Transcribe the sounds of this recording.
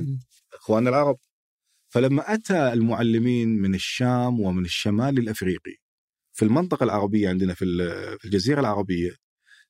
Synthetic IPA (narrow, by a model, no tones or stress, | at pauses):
ʔɪxwaːnɪlʕɑɾˤɑb̚ | falamːaʔat̪aɪlmʊʕalːɪmiːnmɪnɪʃːaːmwɪmɪnɪʃːamaːlɪlʔafɾiːqḭ | filmɪnt̪ˤɨqɑlʕɑɾˤɑbɪjːaʕɪnd̪nafifild͡ʒaziːɾalʕɑɾˤɑbɪjːa